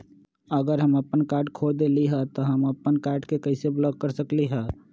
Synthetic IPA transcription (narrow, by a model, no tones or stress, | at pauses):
əɡəɾɦəməpənkaːɾɖkʰod̪eliɦɛt̪oɦəməpːənkaːɾɖkekəɪseblɔːkːəɾsəkliɦɛ